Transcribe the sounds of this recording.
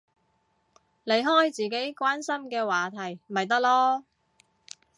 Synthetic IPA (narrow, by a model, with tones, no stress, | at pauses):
le˨˧jɦɔː˥jt͡siː˨ke˨˥jkʷaː˥nsɐ˥mkɛː˧waː˨t̪ʰɐ˨˩jmɐ˨jt̪̬ɐ˥k̚lɔː˥